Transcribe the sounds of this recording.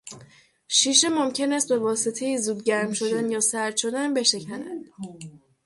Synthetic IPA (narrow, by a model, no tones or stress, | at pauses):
ʃiːʃ̬e̞mo̞mcʰe̞næst̪̚be̞vɒːset̪ʰe̞jizuːd̪̚ɟæɾmʃo̞d̪ænjɒːsæɾd̪ʃo̞d̪ænbe̞ʃe̞cʰænænd̪̥